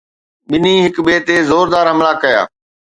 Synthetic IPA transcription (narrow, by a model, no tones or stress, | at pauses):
ɓɪniɦɪkɓeːt̪ezoːɾd̪aːɾɦɐmɭakɐja̰ː